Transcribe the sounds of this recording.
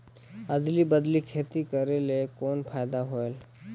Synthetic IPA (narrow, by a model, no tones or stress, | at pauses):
əd̪libəd̪likʰeːt̪ikəɾelekoːnpʰaɪd̪aɦoel